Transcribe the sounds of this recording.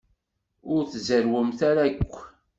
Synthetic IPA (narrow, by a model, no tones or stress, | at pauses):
ʊɾθzəɾwəmθaɾakʷː